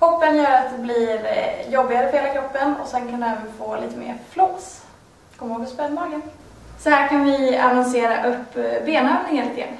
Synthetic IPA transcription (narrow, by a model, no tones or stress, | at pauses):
kʰɔpːənjœːɾat̪̚d̪ɛblɪɾjɔbːɪɡaɾəfɔheːlakʰɾɔpːənɔ̰sɛnkʰand̪ɛɛːvənfoːlḭːt̪əmḛːɾfloːs | kʰɔmhoːɡ̚pɔspɛd̪mɑːɡən | sɔhæːɾkʰanvɪanɔnseːɾaʔɵpːbeːnøːvnɪŋaɾlɪt̪ɪɡɾa̰nː